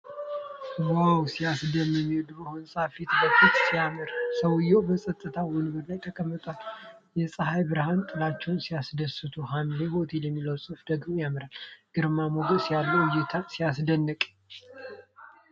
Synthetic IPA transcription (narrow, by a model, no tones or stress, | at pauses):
wawsijasd̪əmːɛmːiwud̪bəhonsʼafet̪ʰɨkəkːɨt̪sijamɨɾsəwɨjːɛwbəsʼət̪ʼːɨt̪ʰawɔnɨɡɨɾlajt̪ʰəkʼəmːɨt̪ʼwal | jɛsʼəɦajbɨɾhant̪ʼɨlat͡ʃːɛwnsijasd̪əsɨt̪ʰuɦanleho̞t̪ʰeljɛmːiləwsʼɨfd̪əɡmojamɨɾalɡ̥ɨɾmamoɡəsijalːəwjːɛt̪ʰasijasd̪ənːəkʼ